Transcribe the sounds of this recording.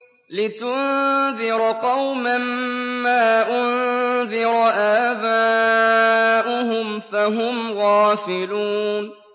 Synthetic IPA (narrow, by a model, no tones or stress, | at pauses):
lɪt̪ʊnðɪɾqɑwmamːaːʔʊnðɪɾʔaːbaː | ʔʊhʊmfaɦʊmɣɑːfɪluːn